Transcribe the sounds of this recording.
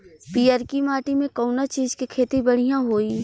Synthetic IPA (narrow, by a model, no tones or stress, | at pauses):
piːəɾkimaːʈimẽkɔʊnat͡ʃiːzkikʰeːt̪ibɐɽ̤ijãɦoːiː